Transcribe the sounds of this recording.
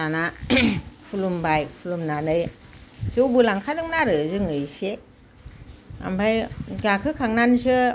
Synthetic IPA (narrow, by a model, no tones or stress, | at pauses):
ana | pʰulumbajpʰulumnanɯjsɯwbɯlaŋkʰadɯŋnaɾɯzɯŋɯjse | a̰mbʰajɡakʰɯkʰaŋnansɯ